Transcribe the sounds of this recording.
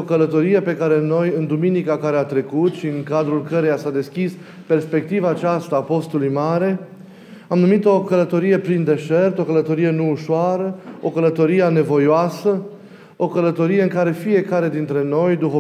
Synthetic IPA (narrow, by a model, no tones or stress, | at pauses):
okələt̪o̞ɾije̞pe̞kaɾe̞no̞jɨnd̪uminikakaɾe̞at̪ɾe̞kut̪ʃiɨŋkad̪ɾulkəɾejasad̪e̞skʲis | pe̞rspe̞k̚t̪ivaːt͡ʃast̪aːpo̞st̪ulujmaɾe̞ | amnumit̪o̞kələt̪o̞ɾije̞pɾind̪e̞ʃe̞rt̪o̞kələt̪o̞ɾije̞nuːʃoaɾəo̞kələt̪o̞ɾijane̞vo̞joasə | o̞kələt̪o̞ɾije̞ɨŋkaɾe̞fije̞kaɾe̞d̪int̪ɾe̞no̞jd̪uɦo